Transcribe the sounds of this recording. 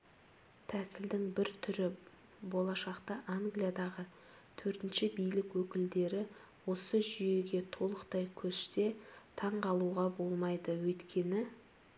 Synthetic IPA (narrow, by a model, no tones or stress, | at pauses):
t̪ʰæsɪld̪ɪŋbɪɾt̪ʰʏɾɪ | bo̞lˠɑʃɑqt̪ɑʔaŋɡlijad̪ɑʁə | t̪ʰɵɾt̪ɪnʃɪbijlɪkwɵkʲɪld̪e̞ɾɪ | wo̞səʒʏje̞ɡʲe̞t̪ʰo̞lˠəqt̪ɑjkʲʰɵst̪e̞t̪ʰɑɴqʰɑlˠuʁɑbo̞lˠmɑjd̪əwɵjt̪kʲʰe̞nɪ